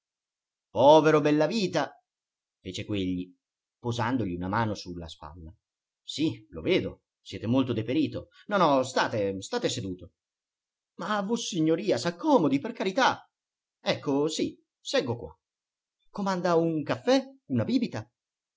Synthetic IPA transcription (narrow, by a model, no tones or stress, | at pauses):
pɔːveɾobɛlːaviːt̪a | feːt͡ʃekweʎːi | pozand̪oʎiunamaːnosulːa̰spa̰lːa | silo̰veːd̪o̰ | sjɛːt̪emolt̪od̪epeɾiːt̪o | nɔnɔst̪aːt̪est̪aːt̪esed̪uːt̪o | mavosiɲːoɾiːasakːɔːmod̪iperkaɾit̪a | ɛkːosi | sɛɡːokwa̰ | komand̪auŋkafːɛunabiːbit̪a